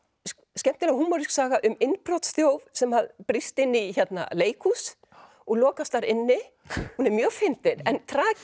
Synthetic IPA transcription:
scɛm̥t̪ɪlawhuːmːɔɾisksaːɣaʔʏmɪnːpɾɔt̪st̪jowvsɛmhaðpɾist̪ɪnːiçɛt̪na̰leːjkʰus | ɔɣlɔːkast̪aɾɪnːɪ | hunɛɾmjœːɣfɪnt̪ɪɾɛnt̪ʰɾaː

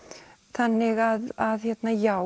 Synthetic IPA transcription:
θanːɪɣaðaðçɛt̪naja

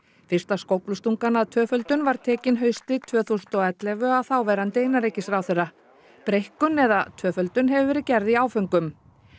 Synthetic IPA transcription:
fɪr̥st̪askowplʏst̪uŋkanaðt̪ʰœːfœlt̪ʏnvaɾ̥t̪ʰɛːcɪnɦœɥst̪ɪt̪ʰvœːθust̪ɔɛt̪lɛvʏaðθawvɛɾɪhant̪eːjnaɾejcːɪsɾaːwθerːa | pɾejhkʏnɛða̰t̪ʰœːfœlt̪ʏnɦɛvʏvɛːɾɪcɛɾðiaːwfœŋkʏm

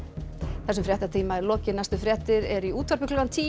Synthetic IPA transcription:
θɛsʏmfɾjɛht̪at̪ʰiːmaɛɾlɔːcɪnast̪ʏfɾjɛht̪ɪɾɛɾiuːt̪vaɾpɪkʰlʏɣant̪ʰiː

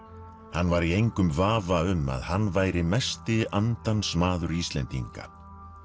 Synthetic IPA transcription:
hanːvaɾiejŋkʏmvaːvaʏmːa̰ðhanːvaːjɾɪmɛst̪ɪant̪ansmaːðʏɾist̪lɛnt̪ḭŋka̰̥

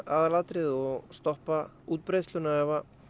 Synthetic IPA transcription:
aðlat̪ɾɪðɔɣst̪ɔhpa | uːt̪̚pɾejst̪lʏnaɛva

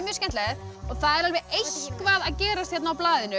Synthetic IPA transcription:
mjœscɛnt̪lɛðɔɣθaðɛɾalvɛejhkvaðaðcɛːɾast̪hjɛt̪nawplaːðɪnʏ

